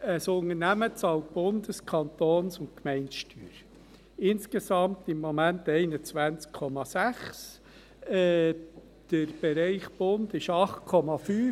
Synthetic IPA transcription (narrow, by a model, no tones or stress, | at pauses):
əsʊŋənæmət͡sɑlt̚b̥ʊnd̪əskʰɑnt̪oːnsʊntkmɛɪnʃtyːɾ | ɪnskesɑmtɪmːomæntɛɪnət͡sʋænt͡skʰːɔmɑsæχs | ɛ | d̥əɾb̥eɾɛɪχb̥ʊnd̪ɪʃɑχtkʰɔmɑfyː